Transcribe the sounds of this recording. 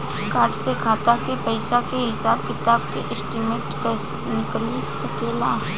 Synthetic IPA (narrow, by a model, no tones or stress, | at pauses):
kaːʈsekʰaːt̪akepɐɪsakeɦɪsaːb̚kɪt̪aːbkeʔɪsʈimeːʈka | nɪklisɐkeːlaː